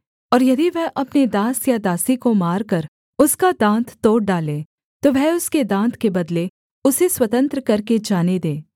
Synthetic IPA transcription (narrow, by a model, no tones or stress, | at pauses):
ɔːɾjɐd̪iʋɛɦʔɐpned̪aːsjad̪aːsikomaːɾkɐɾ | ʊskad̪ãːnt̪ːoːʈ̚ɖaːlẽː | t̪oʋɛɦʊsked̪ãːnt̪ʰkebɐd̪le | ʊseswɐt̪ə̃nt̪ɾəkɐɾked͡ʒaːned̪ẽː